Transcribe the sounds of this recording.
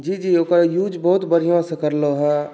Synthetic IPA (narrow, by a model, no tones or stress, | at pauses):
d͡ʒiːd͡ʒiːoːkəɾjuːd͡ʒbɔɦʊt̪bəɾijõsekəɾloɦɛː